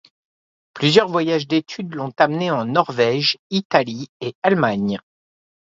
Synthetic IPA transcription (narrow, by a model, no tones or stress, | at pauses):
plyzjœʁvwajaʒd̪et̪ʰyd̪lɔ̃t̪amneɑ̃nɔʁvɛʒit̪aliealmaɲ